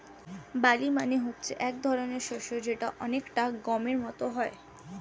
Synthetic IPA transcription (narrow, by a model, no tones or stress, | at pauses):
balimaneɦotːɕʰeʔɛk̚d̪ʱɔɾoneɾʃoʃod͡ʑeʈaʔɔnekʈaɡɔmeɾmɔt̪oɦɔe